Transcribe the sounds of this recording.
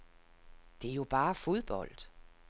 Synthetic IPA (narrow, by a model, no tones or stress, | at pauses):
d̥e̝æjo̝b̥ɑ̈ːfo̝ð̞ˠb̥ɒ̽l̰d̥